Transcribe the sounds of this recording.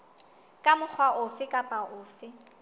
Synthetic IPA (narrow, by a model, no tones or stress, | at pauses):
kʼamʊk͡xʰwaʔʊfɪkʼapʼaʔʊːfɪ